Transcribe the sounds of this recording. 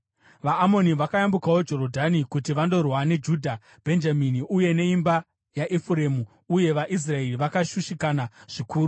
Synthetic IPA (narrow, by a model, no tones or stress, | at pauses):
ʋaːmo̞niʋakajambukawo̞d͡ʒo̞ɾo̞dʱanikutiʋando̞rwane̞d͡ʒuːdʱa | b̥ʱe̞nd͡ʒaminiuje̞ne̞imba | jaʔefuɾe̞mu | uje̞ʋaʔis̬rae̞riʋakaʃuʃikanaʐ̥ikuːru